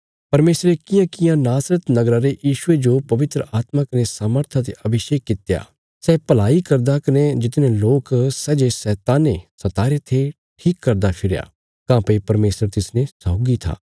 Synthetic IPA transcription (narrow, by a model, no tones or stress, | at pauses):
pɐɾmeːsɾekɪjãkɪjãnaːsɾət̪nɐɡɾaːɾejiːʃʊed͡ʒopɐʋɪt̪ɾə̰aːt̪makɐnesaːməɾt̪ʰat̪̬eʔɐbɪʃeːkːɪt̪ja̰ː | sɛpɐlaːikɐɾd̪akɐned͡ʒɪt̪neloːksɛːd͡ʒesɛːt̪aːnesɐt̪aːɾet̪ʰe | ʈʰiːkːɐɾd̪apʰɪɾja̰ː | kãːpɐipɐɾmeːsəɾt̪ɪsnẽsaːɡit̪ʰa̰ː